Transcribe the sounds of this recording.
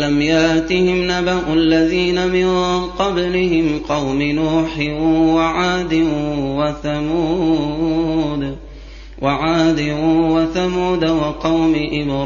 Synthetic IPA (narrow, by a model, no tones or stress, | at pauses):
lamjaʔt̪ihɪmnabaʔʊalːaðiːnamɪnqɑblɪhɪmqɑwmɪnuːħɪwaʕaːd̪ɪwaθamuː | d̪ | wʔaʕaːd̪ɪwaθamuːd̪awɑqɑwmɪʔɪbɾ